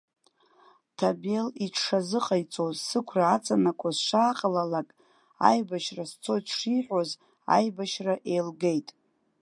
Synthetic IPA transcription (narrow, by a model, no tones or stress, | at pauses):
tʰabeliʈ͡ʂʰʂazɨqʼajt͡sʼozsɨkʷʰraːt͡sʼanakʷʼazʂaːqʼalalakʼ | a̰jbaʃrast͡sʰo̞jtʂiħʷᶣoz | a̰jbaʃraʔe̞jlɡe̞jtʼ